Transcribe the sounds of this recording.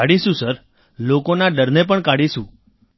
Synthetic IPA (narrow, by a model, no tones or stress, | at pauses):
aɽiʃũsəɾ | lokonaɖəɾnep̬əɳkaɽiʃũ